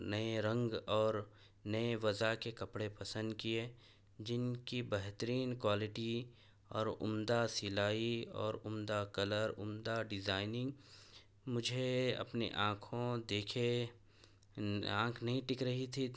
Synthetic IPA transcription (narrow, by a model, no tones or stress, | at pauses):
nɐeɾɐ̃ŋɡɔːɾ | nɐeʋɐzakekɐpɽepɐsə̃nd̪̚kie | d͡ʒɪnkibɛɦt̪əɾiːnkwaːlɪʈi | ɔːɾʊ̰md̪asɪlaːiɔ̰ːɾʊmd̪akɐləɾʊmd̪aɖɪzaːɪnɪ̃ŋɡ | mʊd͡ʒʱeɐ̰pnḛʔãːkʰõd̪eːkʰe | ã̰ːkʰnɐɦĩʈɪkɾɐɦit̪ʰi